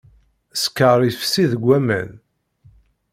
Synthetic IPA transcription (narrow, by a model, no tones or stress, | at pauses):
skːəɾˤifsiðəɡʷːæmæ̰n